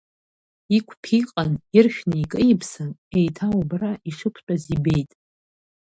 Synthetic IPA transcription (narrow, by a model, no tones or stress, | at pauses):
ikʷʰpʰiqʼanirχʲᶣnaikʼɨjɪpʰsɨnejtʰaubraʔiʂɨpʷʰt͡ʃʷʼazibe̞jtʼ